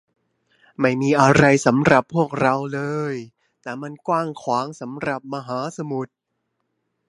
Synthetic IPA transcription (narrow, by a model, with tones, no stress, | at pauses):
ma˥˩jmiː˧ʔa˧ɾa˧jsa˩˦mɾa˨˩pʰːu˥˩ək̚ɾa˧wlɤː˧j | t̪ɛː˨˩ma˧nkwaː˥˩ŋkʰwaː˩˦ŋsa˩˦mɾa˨˩p̚ma˧ɦaː˩˦sa˧mu˨˩t̪̚